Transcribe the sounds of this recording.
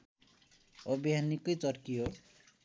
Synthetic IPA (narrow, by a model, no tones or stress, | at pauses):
ʌbiɦanikojt͡sʌrkiɦo